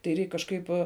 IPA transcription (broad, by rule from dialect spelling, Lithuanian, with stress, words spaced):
tɐɪ ˈrʲɛɪk kɐʃˈkɐɪp